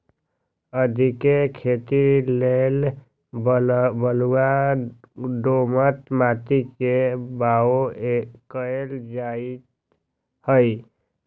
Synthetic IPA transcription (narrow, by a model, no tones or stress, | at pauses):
əd̪ʱikekʰet̪ilel | bəluwa | ɖomət̪maːt̪ikebaokəeld͡ʒait̪ | həi